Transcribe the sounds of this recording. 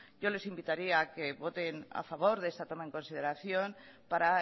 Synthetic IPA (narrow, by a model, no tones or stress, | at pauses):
ɟ͡ʝo̞le̞simbit̪aɾiaːke̞βo̞t̪e̞na̰faβ̞o̞ɾðe̞st̪at̪o̞mae̞ŋko̞nsið̞e̞ɾaθjo̞n | paɾa